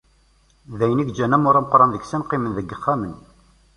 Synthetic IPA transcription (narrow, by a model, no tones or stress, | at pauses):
ðæjəniɡd͡ʒːænæmʊɾˤaməqɾˤɑnðəɡsænqɪmənðəɡːəχːamən